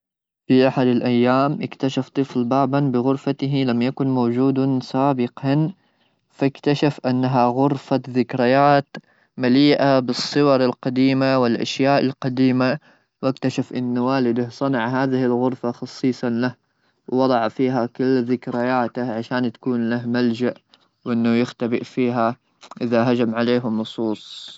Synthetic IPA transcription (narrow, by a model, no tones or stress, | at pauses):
fiʔaħad̪ɪlʔajːaːmʔɪkt̪aʃaft̪ˤɨflbaːbanbɪɣʊɾfat̪ɪɦilamjakʊnmowd͡ʒuːd̪saːbɪqɑn | fakt̪aʃafʔanːaɦaɣʊɾfaðɪkɾɪjaːt̪ | maliːʔabɨsˤːɨwɑɾˤɪlqɑd̪iːmawɪlʔa̰ʃjaːʔɪlqɑd̪iːma | wʔakt̪aʃafʔɪnːwaːlɪd̪ahsˤɑnɑʕɦaːðɪhɪlɣʊɾfaxɑsˤːiːsˤɑlah | wwɑd̪ˤɑʕfiːɦakɪlːðɪkɾajaːt̪aʕaʃaːnt̪ḁkuːnlahmald͡ʒaʔ | wʔɪnːʊjɪxt̪abɪʔfiːɦa | ʔɪðaɦad͡ʒamʕaleːɦnːʊsˤuːsˤ